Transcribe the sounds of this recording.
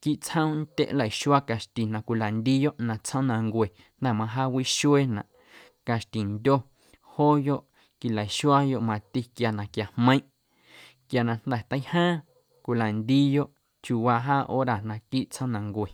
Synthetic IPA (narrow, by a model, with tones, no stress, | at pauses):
ki˦ʔt͡sə̃˦˧n˦t̪ʲḛ˦ʔla˨i˨ʃu˦a˦ka˨ʃt̪i˨nã˨kʷi˨la˨nd̪iː˦jo˦ʔnã˧t͡shə̃˦nã˧ŋɡʷe˨ | n̥d̪ɛ˧˨mã˧ɦaː˦wi˦ʃu˦e˦nã̰˨ʔ | ka˨ʃt̪i˨nd̪ʲo˦ | hoː˦jo˦ʔ | ki˨la˨i˨ʃwa˦jo˧˦ʔmã˧t̪i˧kja˨nã˨kja˨hmə̃˧ĩ˦ʔ | kja˨nã˧n̥d̪ɛ˨t̪ə˧˦hãː˦ | kʷi˨la˨nd̪i˦jo˦ʔ | t͡ʃu˧wa˧ɦaː˦ʔo̰˦ɾa˧˨nã˧˨kiː˦ʔt͡sʰə̃˦˧nã˧ŋɡʷe˨